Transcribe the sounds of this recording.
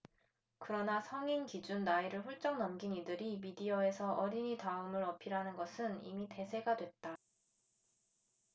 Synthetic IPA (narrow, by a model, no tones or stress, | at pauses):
kɯɾʌnasʰʌŋinkid͡ʑunːaiɾɯɭɸuɭt͡ɕ͈ʌŋnʌmɡinidɯɾimidiʌe̞sʰʌʔʌɾiɲitaɯmɯɾʌpʰiɾanɯnɡʌsʰɯnḭmite̞sʰe̞ɡadwe̞t̚t͈a